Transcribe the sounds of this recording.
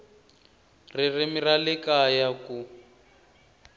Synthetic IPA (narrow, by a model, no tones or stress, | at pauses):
ririmiralɛkajaku